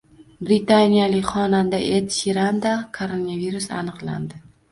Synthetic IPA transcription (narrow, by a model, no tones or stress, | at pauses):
bɾɪt̪anʲijalɪkʲχɒnand̪aʔet̪ʃiɾand̪akʰoɾonaviɾusa̰nɨqlˠa̰nd̪ɪ